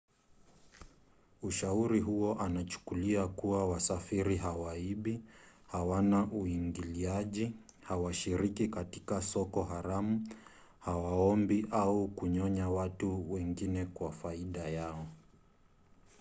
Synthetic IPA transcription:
uʃauɾiɦuɔʔanat͡ʃu̥kuliakuawasafiɾiɦawaiɓihawanaʔuiŋɡiliaʄihawaʃiɾikikati̥kasɔkɔɦaɾamu | hawaɔmbiʔaukuɲɔɲawatuwɛŋɡinɛkwafaiɗajaɔ

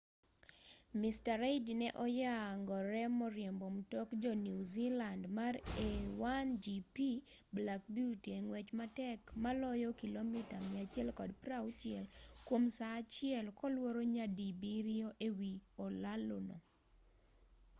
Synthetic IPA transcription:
mistaɾeɪdinɛʔɔjaŋɡɔɾɛmɔɾjɛmbomtɔkd͡ʒɔnuzilandmarewand͡ʒipiblak̚buteŋwɛt͡ʃmatɛkmalɔjɔkilomitamɛat͡ʃjɛlkɔdpɾawt͡ʃɪɛlkwomsat͡ʃɪɛlkɔlwoɾoɲadibiɾioʔewiolalono

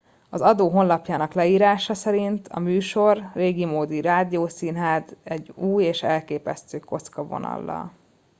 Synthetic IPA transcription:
ɒzɒd̪oːɦo̞nlɒpjaːnɒklɛiːɾaːʃɒsɛɾint̪ʰɒ̰myːʃo̞rːeːɡimoːd̪iɾaːd̪ijoːsiːnɦaːzɛɟuːjeːʃɛlkeːpɛst̪øːko̞t̪skɒvo̞̰nɒ̰lːɒ̰l

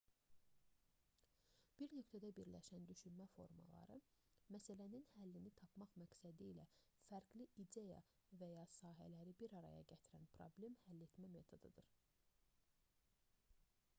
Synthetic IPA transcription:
b̥iɾnøcʲt̪ʰæd̪æbiɾlæʃænd̪yʃynmæfo̞ɾmɑ̰lˠɑ̰ɾɯmæsælæninhælːinit̪ʰɑpʰmɑχmæcsæd̪iːlæ | fæɾɡliʔid̪ejɑ̰ | væjɑsɑːɦæ̰læɾibiɾɑɾɑ̰jɑ̰ɟæt̪ʰiɾænpʰɾo̞̰ble̞mhælːet̪mæme̞t̪ʰo̞d̪ɯd̪ɯɾ

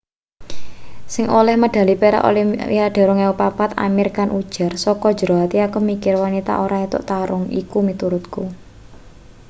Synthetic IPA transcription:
sɪŋʔolɛhməɖ̥ä̤lipeɾa̰ʔo̰liaɖ̥a̤ɾɔŋaupapat̪a̰mɪrkanʔud̥ʒ̥a̤rsɔkɔ̥d͡ʒəɾoɦat̪iakumikɪrwanit̪a̰ʔoɾait̪ʊ̰ʔt̪aɾʊŋḭkumit̪uɾʊt̪ku

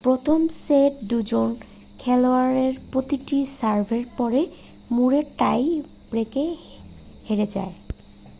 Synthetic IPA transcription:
pɾot̪ʰomseʈ̚d̪ud͡ʑon | kʰɛloaɾeɾpɾot̪iʈisaɾbʱeɾpɔɾe | muɾeʈaj | b̥ɾeke | heɾed͡ʑa̰e

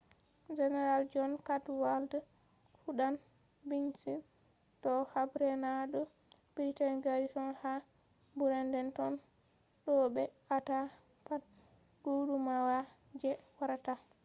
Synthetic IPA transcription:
d͡ʒɛnɛɾald͡ʒɔnkatwalda | fuɗan | binsi | tɔhabɾɛnaɗɔ | bitanɡaɾitɔnha | buɾɛndɛntɔn | ɗɔbɛ | ata | pat | dudumawa | d͡ʒɛwaɾata

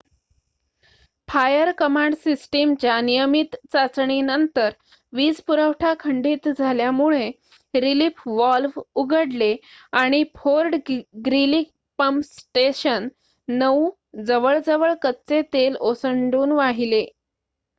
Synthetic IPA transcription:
pʰajəɾkəmãɳɖsisʈemt͡ɕjanijəmit̪t͡sat͡sɳinənt̪əɾ | ʋiːd͡zpuɾəwʈʰakʰəɳɖiːt̪d͡zʱaljamuɭe | ɾilifʋɔlfuɡəɽleaɽ̃ipʰoɾɖɡɾilik̚ | pəmsʈeɕənː | əu | d͡zəʋəɭd͡zəʋəɭkətt͡set̪elosəɳɖuːnʋaɦile

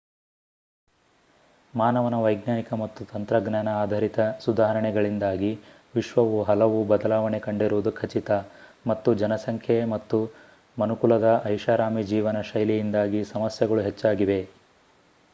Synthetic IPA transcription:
maːnɐʋɐnɐʋɐjɡnaːnikɐmɐt̪ːut̪ɐnt̪ɾɐɡnjaːnɐaːd̪ʱɐɾit̪ɐsud̪aːɦɐɾɐɳɛɡɐɭind̪aːɡi | ʋiʃʋɐʋuɦɐlɐʋubɐd̪ɐlaːʋɐɳekɐɳɖiɾuʋd̪ukʰɐt͡ʃit̪ɐmɐt̪ːud͡ʒɐnɐsɐŋkʰjemɐt̪ːu | mɐnukuɭɐd̪ɐʔɐjʃaːɾaːmid͡ʒiːʋɐnɐʃɐjlijind̪aːɡisɐmɐsjɐɡɐɭuɦet͡ʃːaːɡiʋe̞

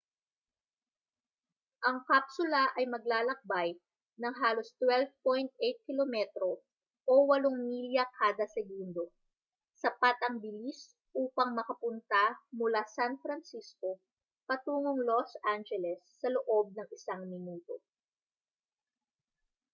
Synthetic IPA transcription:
ʔɐŋkapsʊlɐʔɐjmɐɡ̚laːlɐk̚baj | nɐŋɦaːlo̞st̪wɛlvpojnt̪̚ʔɛjt̪̚kɪlomɛt̪ɾo̞ | ʔowɐloŋmiljɐkʰaːd̪ɐsɛɡund̪o̞ | sɐpat̪ʔɐŋbɪlis | ʔuːpɐŋmɐkɐpʊnt̪amʊlasanfɾɐnsisko | pɐt̪uːŋoŋlosʔand͡ʒɛlɛsːɐloʔo̞b̚nɐŋɪsaŋmɪnuːt̪o̞

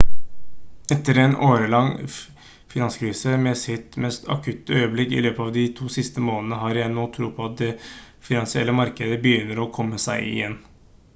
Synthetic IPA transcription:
ɛt̪ːəɾɛnoːɾəlɑŋ | fɪnɑnskʰɾiːsəmɛsɪt̪mɛst̪ʰɑ̰kʰʉt̪ːəœʏəblɪkːɪ̰løːpəɑʋd̪ɪt̪ʰuːsɪst̪əmoːnənəɦɑɾjæɪnoːt̪ʰɾṵːpʰɔɑt̪̚d̪ɛ | fɪnɑnsɪɛ̰lːəmɑɾkəd̪əbəjʏnːəɾɔkʰɔmːəsæɪɪ̰jɛnː

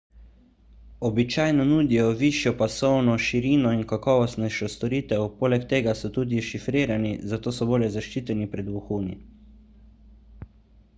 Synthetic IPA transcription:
ɔbit͡ʃaːjnɔnuːd̪ijɔʋiːʃjɔpasɔwnɔʃiɾiːnɔinkakɔːʋɔst̪nɛʃɔst̪ɔɾiːt̪ɛwpoːlɛkt̪eːɡasɔt̪uːd̪iʃifɾeːɾanizat̪oːsɔboːljɛzaʃt͡ʃiːt̪ɛnipɾɛd̪ʋuxuːni

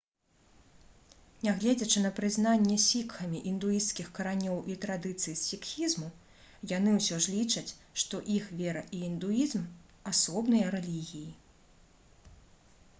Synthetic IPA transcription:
nʲaɣlʲɛd͡zʲɐt͡ʂɨnɐpɾɨznanʲːɛsʲikxɐmʲiʔind̪ujist̪skʲixkɐɾanʲɔwʔit̪ɾad̪ɨt̪sɨjsfʲikxʲizmu | jan̪ɨwsʲɔʐlʲit͡ʂɐt͡sʲʂt̪ɔʔixvʲɛɾɐʔiːnd̪uizm | asɔbnɐjɐɾɛlʲiɣʲiji

